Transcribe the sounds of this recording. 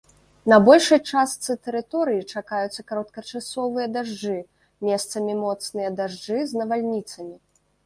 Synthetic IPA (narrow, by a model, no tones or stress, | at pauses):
nɐbɔlʲʂɨjt͡ʂast̪sɨt̪ɛɾɨt̪ɔɾɨjit͡ʂakajut̪sːɐkaɾɔt̪̚kɐt͡ʂasɔvɨjɐd̪aʐd͡ʐɨ | mʲɛst̪sɐmʲimɔt̪snɨjɐd̪aʐd͡ʐɨznɐvalʲnʲit̪sɐmʲi